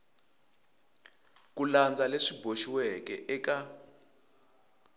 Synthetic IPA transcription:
k̬uland͡zaleʂibʱoʃiwɛkɛʔɛka

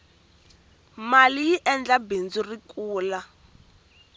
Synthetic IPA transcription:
malijiʔɛnd͡ɮabend͡zurikʼuːla

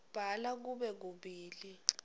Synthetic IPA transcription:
b̥ʱalak̬uɓɛk̬uɓiːli

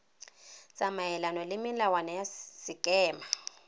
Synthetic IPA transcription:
samajɛlanɔlɪmɪlawanɔjasikʼɛːma

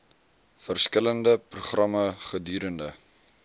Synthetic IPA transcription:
fərskələndəpruχrɐməχədyːɾəndə

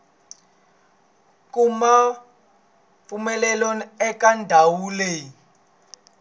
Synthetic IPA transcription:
kuma | fumɛlɛloniɛkandʱawuːlɛ

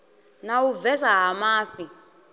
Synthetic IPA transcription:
nawuvɛsaɦamaːɸi

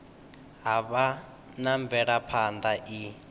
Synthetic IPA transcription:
ɦaβa | naɱb̪vɛɺapʰand̪aʔi

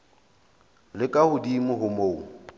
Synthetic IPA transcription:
lɪkʼahʊdimʊɦʊmoːu

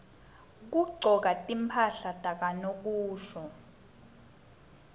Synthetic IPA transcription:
k̬uɡ͡ǀʱɔk̬atʼimpʰaɬatʼak̬anok̬uːʃɔ

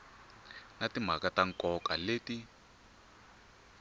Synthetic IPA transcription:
natim̤akataŋ̩kɔkaleːti

